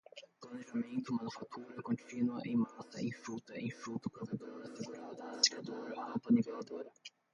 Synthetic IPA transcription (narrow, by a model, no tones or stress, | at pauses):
p̪lɐneʒamẽnt̪ʊmɐnufat̪ʰuɾɐkõnt͡ʃĩnuɐʔẽj̃masɐẽj̃fut̪ɐẽj̃fɾut̪ʊkɐ̃vẽnt̪oɾɐseɡuɾad̪ɐsi̥kad̪oɾɐikõp̪ɐnivelad̪oɾɐ